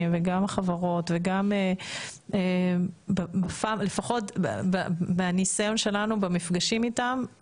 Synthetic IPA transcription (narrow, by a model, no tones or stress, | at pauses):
mveɡamaχavaʁo̞tveɡame | ebabafamlefaχo̞tb̰babenisajo̞nʃe̞lanubemifɡaʃimitam